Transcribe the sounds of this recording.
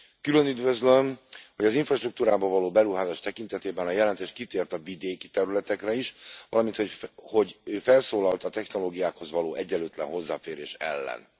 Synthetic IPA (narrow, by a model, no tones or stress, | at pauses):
kylø̞nyd̪vøzlømho̞ɟɒziɱfrɒʃt̪ruk̚t̪uːɾaːbɒvɒloːbɛɾuɦaːzaːʃt̪ɛkint̪ɛt̪eːbɛnɒjɛlɛnt̪eːʃt̪kit̪eːrt̪ɒvid̪eːkit̪ɛɾylɛt̪ɛkrɛiʃʋɒlɒmint̪hoho̞ɟøːfɛlsoːlɒlt̪ɒt̪ɛxno̞loːɡijaːkho̞zʋɒloːʔɛɟːɛløːt̪lɛ̰nɦo̞zːa̰ːfeːɾeːʃɛ̰lːɛ̰n